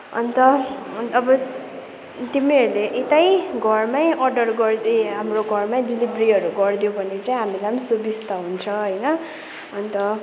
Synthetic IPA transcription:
ʌ̰nit̪ʌʌbʌ | t̪imiʌɾuleʔet̪ajɡʱʌrmajʔʌrɖʌrɡʌrd̪eɦamroɡʱʌrmaj̃dilibriɦʌɾuɡʌrd̪jobʱʌnet͡saĩɦamilajmsubist̪aɦunt͡sʰʌɦʌjnʌ | ʌnit̪ʌ

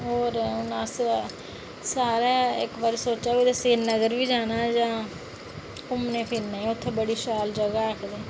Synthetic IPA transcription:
ɦoːɾʊnas | saːɾaːɪkʋəɾsoːt͡ʃaːʋiːd̪əseːnːəɡəɾʋiːd͡ʒaːnaːd͡ʒãː | ʊmnẽːpʰɪɾnaːʊt̪ʰːeːbəɽiːʃaːld͡ʒəɡaːəkʰd̪eː

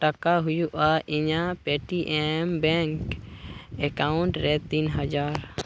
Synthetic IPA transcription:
ʈakaɦujuʔaʔiɲapɛʈiʔɛmbɛŋk | ɛkauɳʈɾɛt̪inɦad͡ʒaɾ

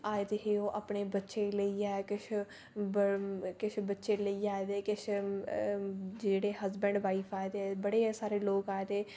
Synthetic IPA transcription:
aːed̪eɦeoːʔaːpɳeːbətːʃeːləiːaːkɪt͡ʃʰ | bkɪt͡ʃʰbətːʃeːləiːaːed̪eːkɪt͡ʃʰ | d͡ʒeːɽeːɦəzbəɳɖʋaːiːpʰaːjd̪eɛbəɽeːsaːɾeːloːkaːed̪eː

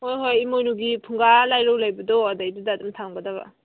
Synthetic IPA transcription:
hojɦojimojnuɡipʰuŋɡalajɾɔwlajbɐdɔadajdudadɯmtʰaŋbɐdaβa̰

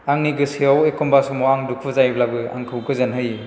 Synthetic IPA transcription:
aŋniɡɯsiawekɔmbasɔmɔaŋduk̚ʰɯzajblabɯa̰ŋkʰɯwkɯzɐnɦɯj

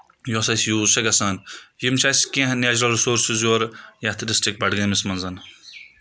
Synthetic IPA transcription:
josɐsjuːsɐɡɐsaːnjimt͡ʃʰaːskẽɦnaːd͡ʒɾɐlɾsoːɾsizjoːɾjɐt̪ʰdisʈik̚bɐɽɡɐnmismɐnzɐn

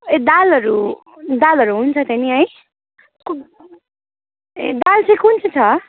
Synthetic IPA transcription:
ed̪alʌɾu | d̪alʌɾuɦunt͡sʰʌt̪ʌniɦʌj | k | d̪alt͡sʰʌ̃kunt͡sʰit͡sʰʌ

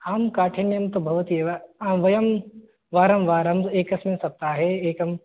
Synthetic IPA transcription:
aːmkaːʈʰenjɐmt̪obʱɐʋɐt̪ieʋaaːmʋɐjɐm | ʋaːɾɐmʋaːɾɐmeːkɐsminsɐp̚t̪aːɦeeːkɐm

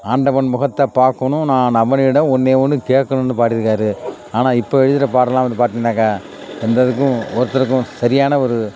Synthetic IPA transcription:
aːɳɖɐʋɐɳmʊɣɐt̪ːɐpaːɾkɐnʊ̃nãːnɐʋɐnɪɽɐ̃ɔnːeːʋɐnːɯkeːʈkːɐɳɐnd̪ɯpaːʈːɪɾɯkːaːɾɯ | aːnaːɪpːoːɛɻɯðɪɾɐp̬aːɾɐlaːʋɐnd̪ɯpaːɾt̪iŋnaːkːɐ | ɛnd̪ɐðɯk̬ːʊ̃ɔɾɯt̪ːɐɾɯk̬ːʊ̃sɐɾɪjaːnɐɔɾɯ

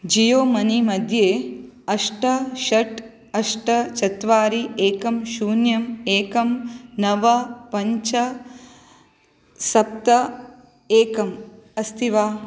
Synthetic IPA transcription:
d͡ʒijoːmɐnimɐd̪ʱjeːɐʂʈɐʃɐʈ | ɐʂʈɐt͡ʃɐt̪ʋaːɾieːkɐmʃuːnjɐmeːkɐmnɐʋɐpɐɲt͡ʃɐ | sɐp̚t̪ɐ | eːkɐmɐst̪ʰiʋaː

